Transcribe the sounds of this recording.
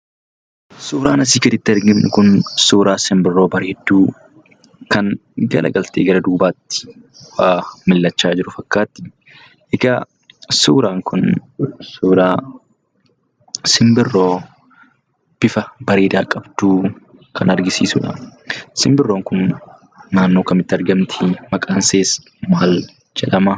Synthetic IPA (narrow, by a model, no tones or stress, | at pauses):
suːɾaːnɐs̬iːkɪd̪ɪt̪ːɪɐɾɡɪmnʊkʊnsuːɾaːsɪmbɪrːo̞ːbɐɾeːd̪ːuː | kɐnɡɐ̰lʔɐ̰ɡɐlt̪ḛːɡɐɾɐd̪uːbaːt̪ːɪ̥ | waːmɪlːɐt͡ʃːaːd͡ʒɪɾʊfɐkːaːt̪ːɪ̥ | ʔɛɡɐ | suːɾaːŋkʰʊnsuːɾaː | sɪmbɪrːoː | b̥ɪfɐbɐɾeːd̪aːkʼɐb̥t̪uː | kʰɐnɐɾɡɪsḭːsʊᶑɐ̰sɪmbɪrːoːŋkʊnː | aːnːoːkɐmɪt̪ːɐɾɡɐmt̪ʰɪ̥mɐkʼɐnseːs | maːl | d͡ʒɛᶑɐmɐ